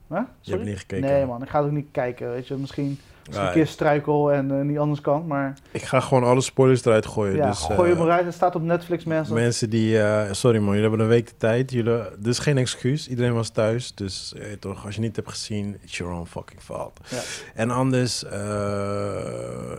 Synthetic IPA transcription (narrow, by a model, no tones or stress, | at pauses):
aəɛnitχə̥keːnkejmɑnɪkχaːtowk̚nit̚kɛjkəʋejtʋəmɪsχinjaɪːɹstrœɥkəlˠɛnnitɑndəɹskɑnmaːɹɪkχaχəʋoːnɑləspɔjləɹsdəɾœɥtχojəjadəsojəməɾœɥtətstaːtɔpnɛtflɪksmɛnsəmɛnsədiəsɔɾimɑnjələɦɛbənənʋejk̚dətɛjtjələdəɪsχejnɛkskysidəɾejnʋɑstœɥsdøsetɔχɑsjənitɛpχə̥z̥inɪsjəɹo̰nfɑ̰kɪŋfɑ̰lˠtɛnɑndəɹsə